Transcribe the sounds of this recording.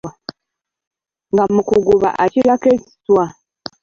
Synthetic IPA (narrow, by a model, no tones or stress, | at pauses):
ŋɡamukuɡuβa̰ʔacilakeci̥swa